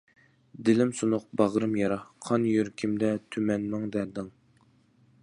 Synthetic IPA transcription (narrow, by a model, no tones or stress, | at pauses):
d̪ɪlɪmsunʊq̚bɑʁɾɨmjɑɾɑqʰɑnjyɾkʲʰimd̪ɛt̪ʰymɛnmɨŋd̪æɾd̪ɨŋ